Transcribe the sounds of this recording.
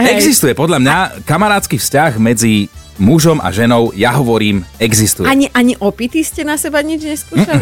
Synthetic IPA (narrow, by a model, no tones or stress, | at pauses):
ɛɡzist̪ujɛpɔd̪ʎamɲakamaɾaːt̪t͡skiːfscaɣmɛd͡zimuʒɔma̰ʒɛnɔʊjaɦɔʋɔɾiːmɛɡzist̪ujɛaɲiʔaɲiʔɔpit̪iscɛnasɛbaɲid͡ʒɲɛskuːʃa